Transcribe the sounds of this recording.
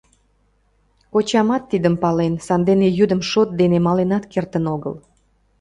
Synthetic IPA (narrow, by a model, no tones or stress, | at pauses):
ot͡ɕɑmɑt̪ːid̪əmpɑlensɑnd̪enejyd̪əmʃot̪̚d̪enemɑlenɑt̪kert̪ənoɣə̰l